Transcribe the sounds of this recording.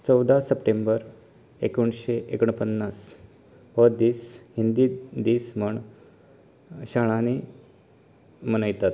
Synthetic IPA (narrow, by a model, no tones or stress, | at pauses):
t͡sɔwd̪ʱasəpʈembəɾ | ekuɳɕeʔekəɳ̃pənːas | ʋəd̪iːshind̪id̪iːsməɳ | ɕaɽ̃ane | mənəjt̪at̪